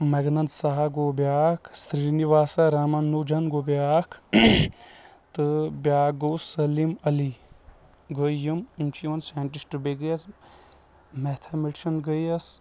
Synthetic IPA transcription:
mɐɡnɐnt̪saɦɐɡoːbjaːkʰst̪ɾiːniʋaːsɐɾaːmɐnːuːd͡ʒɐnɡoːbjaːkʰ | t̪ɨbjaːɡoːsɐlimɐli | ɡəjɐmunt͡ʃiʋɐnsaːɳʈisʈbeɡɐjɐs | met̪ʰɐmiʈʃɐnɡəjɐs

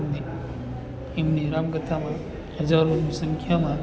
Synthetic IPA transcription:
mni | imniɾaːmɡət̪ʰamã | ɦɐzaːɾonisɐŋkʰjamã

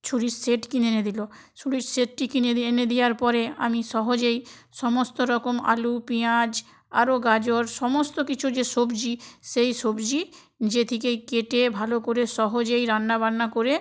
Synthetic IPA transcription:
t͡ʃʰuɽiʈseʈkinened̪ilo | t͡ʃʰuɽiʈseʈ̚ʈikinened̪ijaɾpɔɾea̰miʃɔɦod͡ʑejʃɔmost̪oɾɔkoma̰lupiad͡ʑ | a̰ɾoɡad͡ʑoɾʃɔmost̪okit͡ɕʰud͡ʑeʃobd͡ʑiʃejʃobd͡ʑi | d͡ʑet̪ʰikejkeʈebʱalokoɾeʃɔɦod͡ʑejɾanːabanːakoɾe

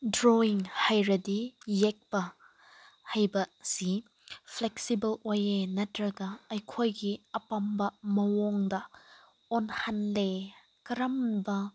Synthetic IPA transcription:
dɾoiŋhɐjɾɐdijɛk̚pɐ | hɐjbɐsi | pʰlɛksibɐlwojenɐtɾɐɡɐɐjkʰojɡiɐpɐmbɐmɐwɔŋdɐ | ɔnhɐnle | kɐɾɐmbɐ

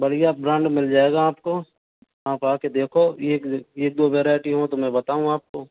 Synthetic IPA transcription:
bɐɽijabɾãːɳɖmɪld͡ʒaːeːɡaaːpko | aːpaːked̪eːkʰoeːkeːk̚d̪oːʋɛːɾaːjʈiɦõt̪omɛ̃bɐt̪aːɦũaːp̚koː

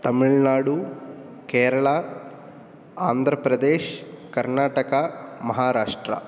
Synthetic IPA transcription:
t̪ɐmiɭnaːɽu | keːɾɐɭa | aːnd̪ʱɾɐpɾɐd̪eːʃkɐɾnaːʈɐkɐmɐɦaːɾaːʂʈɾɐ̰

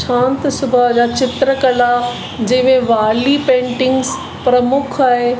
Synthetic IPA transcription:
ʃʰãːnt̪sʊbəd͡ʑaːt͡ɕɪt̪ɾəkɐla | d͡ʑɐ̃ɦɪ̃mẽʋaːlipẽːɳʈɪ̃ŋɡs | pɾɐmʊkʰaːɦe

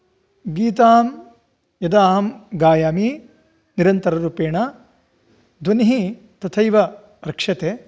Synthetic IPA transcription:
ɡiːt̪aːm | jɐd̪aːɦmɡaːjaːmi | niɾɐnt̪ɐɾɐɾuːpeːɳɐ | d̪ʱʋɐnɦi | t̪ɐt̪ʰɐjʋɐ | ɾɐkʂɐt̪eː

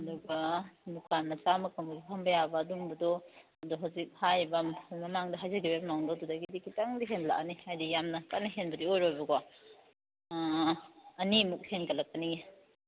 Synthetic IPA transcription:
ɐduɡɐmukʰanmɐt͡ʃamɐkɐŋbɐɡipʰɐmbɐjabɐdumbɐdɔ | ɐduɦawzik̚hajbɐmmɐmaŋdɐɦajzɐɡibepnawŋdadudɐɡidikitaŋdiɦenla̰ʔnihajdijamnɐkanɐɦenbɐdiojɾojbɐɡa | ɐnimuk̚henkɐlɐkːɐnii

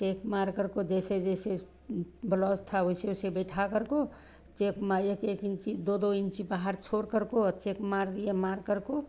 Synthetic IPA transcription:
t͡ʃekmaɾkəɾkod͡ʒesed͡ʒese | blɔsʈ̪ʰaoiseosebəʈʰakəɾko | t͡ʃekmaekekint͡ʃid̪od̪oint͡ʃibaɦaɾt͡ʃʰoɾkəɾkot͡ʃekmaɾd̪ijemaɾkəɾko

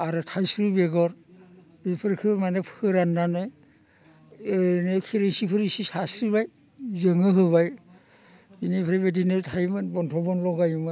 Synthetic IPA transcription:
aɾɯtʰajsɾɯbeɡɔɾ | ipʰɯɾkʰɯmanepʰɯɾanːanɯj | enekʰiɾeŋsipʰɯɾisisasɾibaj | zɯŋɯɦɯβaj | inipʰɾebedinɯtʰajmɯnbɔntʰɔbɔnlɔɡajmɯ

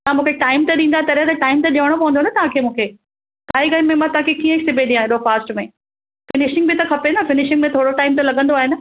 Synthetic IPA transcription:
ãmũːkʰeʈaːɪmt̪ɐɗĩnd̪at̪ɐɾət̪ɐʈaːɪmt̪ɐɗiʋəɽ̃opɐʋə̃ndonɐt̪ɐʋãkʰeːmũːkʰeː | k̪aːɦiɡɐmẽmãt̪ɐãkʰekiːə̃ɪksɪbʱẽd̪ĩaːɦeɗofaːsʈmẽ | fɪnɪʃɪ̃ŋɡbɪt̪ɐkʰɐpenɐfɪnɪʃɪ̃ŋɡmẽt̪ʰoːɽoʈaːɪmt̪̬ɐlɐɠə̃nd̪oaːɦenə

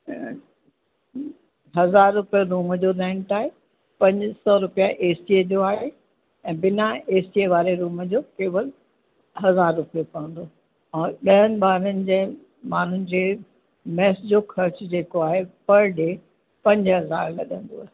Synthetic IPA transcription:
ɦɐzaːɾːʊpijoɾuːmd͡ʑoɾɛ̃ːɳʈaːɦe | pɐ̃ɲd͡ʑsɔːɾʊpijaʔeːsiedoaːɦe | ɛ̃ːbɪnaeːsieʋaːɾeɾuːmd͡ʑoːkeːʋəl | ɦɐzaːɾːʊpijopɐə̃nd̪oː | ɛ̃ːɓɐɦənɪ̆ɓaːɾənɪ̆d͡ʑeː | maːn̤ʊnɪ̆d͡ʑeː | mɛːsd͡ʑoxʰɐɾt͡ɕʊd͡ʑeːkoaːɦepɐɾɖeː | pɐ̃ɲd͡ʑɦɐzaːɾlɐ̰ɗə̃nd̪o̰a̰ːɦe

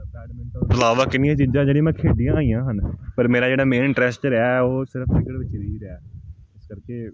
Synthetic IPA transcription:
ɛːɖmɛ̃nbəlaːʋaːkɪnːɪjãːt͡ʃiːd͡ʒãːd͡ʒeːɽĩːmɛ̃ːkʰeːɖijãːaːijãːɦənpəɾmeːɾaːd͡ʒeːɽaːmẽːnɪʈɾɛːst͡ʃɾaːoːsɪɾəpʰkɪkəɽʋɪt͡ʃɾiːɾɛːɪskəɾkeː

